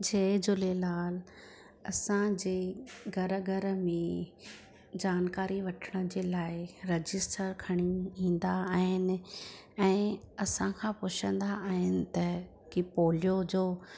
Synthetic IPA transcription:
d͡ʑeːd͡ʑʊlelaːl | ɐsãd͡ʑeːɡʱɐɾəɡɐɾəmẽ | d͡ʑaːnkaːɾiʋɐʈʰəɽ̃əd͡ʑeːlaːɪɾɐd͡ʑɪsʈəɾkʰɐɽ̃iĩːn̆d̪aaːɦɪnɪ̆ | ɛ̃ː | ɐsãkʰãpʊt͡ɕʰə̃nd̪aʔaːɦɪnɪ̆t̪ɐ | kipoːljod͡ʑoː

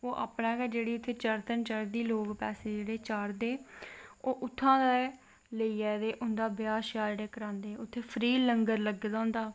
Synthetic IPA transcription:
oːʔa̰ːpɳɛːkɛːd͡ʒeːɽiːʊt̪ʰːeːt͡ʃəɾt̪ənt͡ʃaɾd̪iːloːɡpɛːseːd͡ʒeːɽeːt͡ʃaːɾd̪eːoːʔʊt̪ʰːãːd̪eː | ləiːɛːd̪eːʔʊnd̪aːbɪjaːʃjaːɾɽeːkəɾãːnd̪eːʊt̪ʰːeːpʰɾiːləŋɡəɾləɡd̪ãːʊnd̪aː

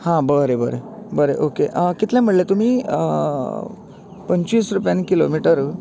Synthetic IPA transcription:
hãbəɾebəɾḛbəɾeʔokeʔəkit̪lɛ̃m̤əɽlet̪um̤iːə | pəɲt͡ɕʋiːsɾupjanikilo̰miʈəɾ

